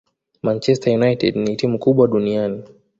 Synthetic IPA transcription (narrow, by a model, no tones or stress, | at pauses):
mant͡ʃɛstajunajtɛdnitimukuɓwaɗuniani